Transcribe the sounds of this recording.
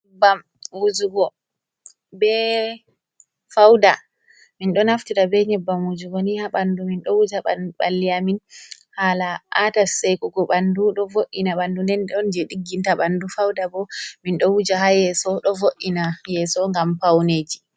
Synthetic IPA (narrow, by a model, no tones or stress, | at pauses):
bam | wud͡ʒuɡɔ | bɛ | fawda | minɗɔnaftiɾabɛɲɛbːamwud͡ʒuɡɔnihaɓanduminɗɔwud͡ʒaɓɓa̰lːijamin | halaʔatasajkɔɡɔɓanduɗɔvoʔːinaɓandunɛnɗɔnd͡ʒɛɗiɡːintaɓandufawdabɔminɗɔwud͡ʒahajɛsɔɗɔvoʔːinajɛsɔŋɡampawned͡ʒi